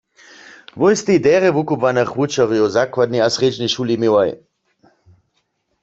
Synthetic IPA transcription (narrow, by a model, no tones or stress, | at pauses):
vojst̪id̪ɛʁɛvukupvanəχʋut͡ʃaʁujozakwad̪niasʁed͡ʒniʃulimiwaj